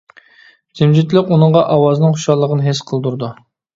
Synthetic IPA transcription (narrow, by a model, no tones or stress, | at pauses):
d̪ʰɪmd͡ʒit̪lɪkʲunəɴʁɑʔɑwɑznɨŋχuʃɑlˠːəʁənɨɦesqʰəlˠd̪uɾd̪u